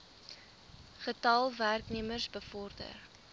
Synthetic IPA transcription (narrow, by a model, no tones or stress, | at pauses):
χətɐlˠværkniəmərsbəfɔrdə̰r